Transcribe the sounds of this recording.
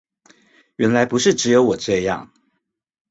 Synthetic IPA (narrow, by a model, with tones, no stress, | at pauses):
ɥɛ˧˥nla˧˥ɪpu˧˥ʂɻ̩˥˩ʈ͡ʂɻ̩˧˥jo˧˥ʊwɔ˨˩ʈ͡ʂɤ˥˧jɑ̰˥˨˩ŋ